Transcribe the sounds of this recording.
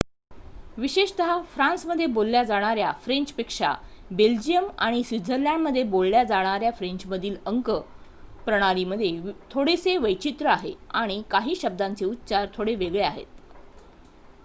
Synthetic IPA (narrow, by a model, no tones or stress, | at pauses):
ʋiɕeʂt̪əɦafɾãnsməd̪ʱːjebolːjad͡zaɽ̃aɾjafɾeɲt͡ɕpekʂa̰ | beld͡ʑijəmaɽ̃isid͡zʱəljamːəd̪ʱːjebolːjad͡zaɽ̃aɾjafɾeɲt͡ɕməd̪ʱiːləŋkə | pɾəɽ̃aɾiməd̪ʱːjet̪ʰoɽeseʋəjt͡ɕit̪ɾəaɦeaɽ̃ikaɦiːɕəb̚d̪ant͡seut̪ːt͡ɕaɾt̪ʰoɽeʋeɡɭeaɦḛt̪